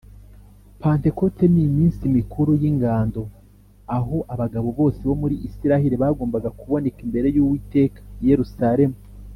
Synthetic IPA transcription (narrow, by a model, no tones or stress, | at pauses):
paːnte̞ko̞tenimiːnsimikuɾujiŋɡaːndo̞ | aɦo̞ʔaβaɡaβo̞βo̞ːseβo̞muɾiʔisiɾahiɾiβaːɡoːmbaɡakuβo̞ne̞kimbe̞ɾe̞juːwiːte̞ːkḁje̞ɾusaɾe̞mu